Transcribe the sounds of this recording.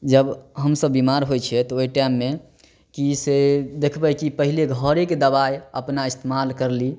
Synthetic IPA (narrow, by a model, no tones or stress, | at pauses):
d͡ʒəbɦəmsəbːimaɾɦojt͡ʃʰɛt̪ɔojʈamːe | kised̪ekʰbɛkipəɦileɡʱəɾeked̪əbajəpnaist̪emalkəɾli